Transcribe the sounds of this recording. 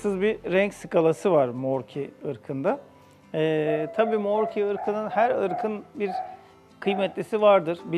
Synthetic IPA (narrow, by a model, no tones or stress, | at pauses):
sɯzbiɾɛɲcsɯkʰalˠasɯvaɾmoɾcʰiɯɾkʰɯnd̪a | ɛːt̪ʰabiːmoɾcʰiɯɾkʰɯnɯnhæɾɯɾkʰɯnbiɾ | kʰɯjmɛt̪lʲisivaɾd̪ɯɾ̥bi